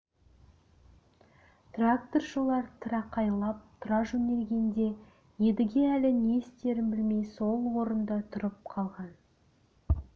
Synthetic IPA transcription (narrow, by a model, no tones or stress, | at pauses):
t̪rak̚t̪o̞rʃəlˠɑɾt̪ʰəɾɑqʰɑjlˠɑp̚t̪ʰʊɾɑʒɵne̞ɾɡʲe̞nd̪e̞ | je̞d̪ɪɡʲe̞ælɪne̞ɪst̪e̞ɾɪmbɪlme̞jso̞lˠwo̞ɾənd̪ət̪ʰʊɾəp̚qʰɑlˠʁɑn